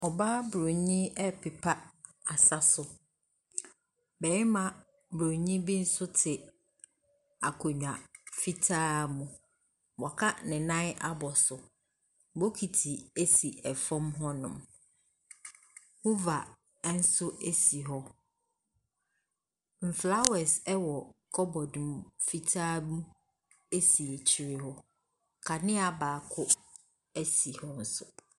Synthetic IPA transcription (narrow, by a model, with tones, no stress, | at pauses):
ɔ˨ba˦bɾo˨ɲĩ˦ɛ˦pʰɪ˨pʰa˦ | a˨sa˦sʊ˨ | bɛ˨ɾɪ˦mã˨ | bɾo˨ɲĩ˦bi˦n̩˦sʊ˦tʰɪ˨ | a˨kʰɔ˨ɲᶣ˨ã˨fi˦tʰaː˦mũ˨ | wɔ˨kʰa˦nɪ̃˨nã˦n˦a˦bɔ˨sʊ˨ | bo˦kʰi˨tʰi˨e˦si˨ɛ˨fɔ̃˦mɦɔ˦nʊ̰̃˨m | hʊ˦va˨˦ | n̩˦sʊ˦e˦si˨ɦɔ˦ | m̩˨fla˦wɛ˨sɛ˦wɔ˨kʰɔ˦bɔ˨dũ˨m˨fi˦tʰaː˦mũ˦ | e˦si˨e˨t͡ɕʰi˨ɾɪ˦hɔ˦ | kʰa˨nɪ̃˦a˨baː˨kʰʊ˦ | æ˦si˨hɔ˦n̩˨sʊ˦